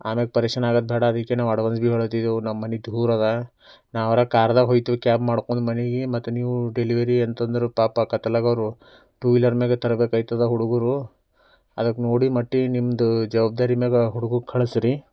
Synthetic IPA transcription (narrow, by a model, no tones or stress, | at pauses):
aːmelɡepɐɾiːkʂɐnaːɡɐd̪̚bʱɛːɽɐːd̪ɐkːenaːʋɐɽɐʋɐnsbiɦoɭt̪id̪eunɐmːɐnid̪ʱuːɾɐd̪ɐ | naːʋɐɾɐkaːɾɐd̪ɐɦojt̪uʋekaːpmaːɽkond̪umɐniɡimɐt̪ːuniːʋuɖeliʋɐɾiɐnt̪ɐnd̪ɐɾupaːpɐkɐt̪ɐlɐɡɐʋɾu | ʈuːʋilɐɾmeːɡet̪ɐɾɐbeːkɐjt̪ɐd̪ɐɦuɽuɡuɾu | ɐ̰d̪ɐkːnoːɽimɐʈːinimd̪ud͡ʒɐʋaːb̚d̪aːɾimeːɡɐɦuɽuɡukʰɐɭsɾi